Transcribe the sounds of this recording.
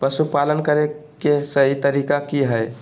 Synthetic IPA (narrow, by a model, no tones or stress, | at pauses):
pəsupalənkəɾekesəɦit̪əɾikakiɦəj